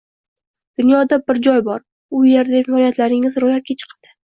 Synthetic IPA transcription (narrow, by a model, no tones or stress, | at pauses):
d̪̥ʊnjɒd̪abɪɾd͡ʒɒjbɒɾ | ʊje̞ɾd̪afɪkɒljat̪laɾɪŋɪzɾojat̪̚kʲat͡ʃʰɨ̥qʰad̪̥ɪ